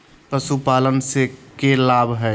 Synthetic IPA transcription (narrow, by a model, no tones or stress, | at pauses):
pəsupaːlənsekelaːbʱɦɛ